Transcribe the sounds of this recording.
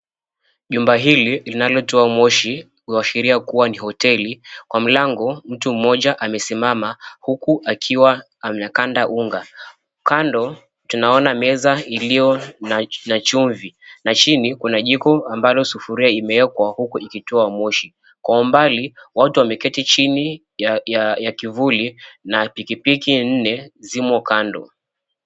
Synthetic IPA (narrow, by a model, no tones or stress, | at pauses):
ʄumbaɦililinalɔtɔamɔʃi | iaʃiɾiakuwanihɔtɛlikwam̩laŋɡɔm̩tum̩mɔʄaʔamɛsimamahukuʔakʰiwa | mnakandaʔuŋɡa | kandɔ | tunaɔnamɛzailijɔnanat͡ʃuɱvinat͡ʃinikunaʄikɔambalɔsufuɾiaimɛwɛkwahukuʔikituamɔʃi | kwaumbaliwatuwamɛkɛtit͡ʃini | jajakivulinapikipikin̩nɛzimɔkandɔ̰